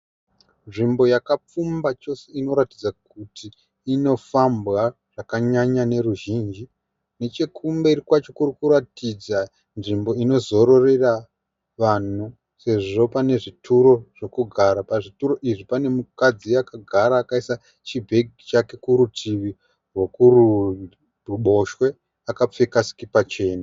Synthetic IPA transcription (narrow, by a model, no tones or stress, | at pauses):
nʐimbo̞jakap͡fumbat͡ʃo̞se̞ino̞ɾatid͡zakutʰiː | no̞fambɣa | ʐ̥akaɲaɲane̞ɾuʒiːnd͡ʒi | ne̞t͡ʃekʰumbeirikwat͡ʃo̞kurikuɾatid͡za | nʐimbo̞ino̞zo̞ɾo̞re̞ra | ʋan̤u | se̞ʐo̞pane̞ʐitʰuɾo̞ʐ̥o̞kuɡʱaɾapaʐituɾo̞ʔiʐipane̞mukad͡ziakaɡʱaɾaːkaisa | t͡ʃibʱe̞ɡit͡ʃake̞kuɾutʰiʋi | rwo̞kuru | ruɓo̞ʃwe̞ | akap͡fekasi̥kipat͡ʃe̞ːna